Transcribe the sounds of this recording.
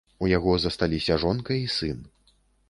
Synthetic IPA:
ujaɣɔzɐst̪alʲisʲɐʐɔnkɐisɨn

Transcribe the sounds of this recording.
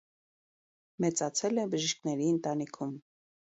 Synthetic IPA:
mɛt͡sɑt͡sʰɛlɛbəʒiʃkʰnɛɾiənt̪ɑnikʰum

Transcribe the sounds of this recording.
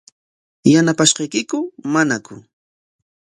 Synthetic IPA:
janapaʃɢɑjkɪkʊmanakʊ̰

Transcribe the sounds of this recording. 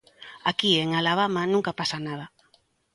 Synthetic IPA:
akieŋalaβamanũŋkapasanað̞ɐ

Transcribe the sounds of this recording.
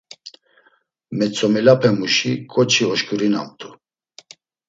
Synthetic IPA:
mɛt͡sʰʼɔmilapʰɛmuʃikʼɔt͡ʃʰiɔʃkʰʼuɾina̰mt̪ʼu

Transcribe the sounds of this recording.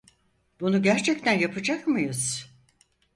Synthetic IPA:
bunuɟæɾt͡ʃʰɛct̪ʰænjapʰɯd͡ʒakmɯjɯz̥

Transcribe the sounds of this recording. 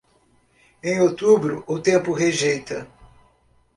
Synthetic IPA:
ẽj̃ot̪ubɾʊʔʊt̪ẽmpʊɦeʒejt̪ɐ

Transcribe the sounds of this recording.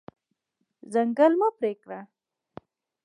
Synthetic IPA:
zaŋɡəlmapɾekɽa

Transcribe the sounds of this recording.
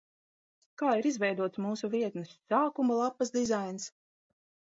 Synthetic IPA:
kaːiɾizvɛjd̪uɔt̪smuːsuviɛt̪nɨsːaːkumalˠapːɐsd̪izajns

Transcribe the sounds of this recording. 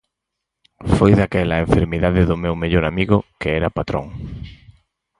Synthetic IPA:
fojðakɛlaeɱfeɾmiðaðɪðʊmewmeʎoɾamiɣʊkeɛɾɐpat̪ɾo̰ŋ

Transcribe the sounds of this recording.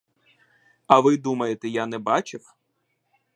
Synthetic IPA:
ɐʋɪd̪umɐjet̪ɛjanɛbɑt͡ʃɪw

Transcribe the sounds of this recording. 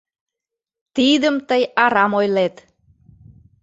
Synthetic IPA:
t̪id̪əmt̪əjɑɾɑmojlet̪

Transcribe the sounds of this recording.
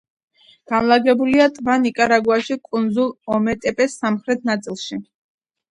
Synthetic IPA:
ɡ̥anlˠaɡɛbuliat̪ʼvanikʼaɾaɡwaʃikʼund̪zulˠɔmɛt̪ʼɛpʼɛsːamχɾɛt̪ʰnat̪sʼilˠʃi

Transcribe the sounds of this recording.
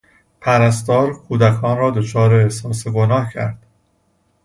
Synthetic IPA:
pʰæɾæst̪ɒːɾkʰuːd̪ækʰɒːnɾɒːd̪o̞t͡ʃʰɒːɾeːsɒːseɡonɒːhcʰæ̰ɾd̪̥

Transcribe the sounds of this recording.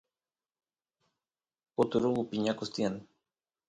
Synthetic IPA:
ot̪uɾuɣupiɲakost̪jan

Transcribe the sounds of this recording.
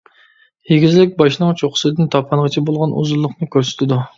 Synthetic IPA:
heɡʲizlɪk̚ʲbɑʃnɨŋt͡ʃʰoqʰʊ̥sɨd̪ɪnt̪ʰɑpʰɑnʁət͡ʃʰɛbolˠʁɑnʔṵzulˠːʊqnɨkʲʰøɾsy̥t̪ʰɪd̪u

